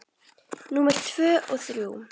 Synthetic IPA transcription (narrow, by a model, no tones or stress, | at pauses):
nuːmɛɾ̥t̪ʰv̥œːʔɔɣθɾjuː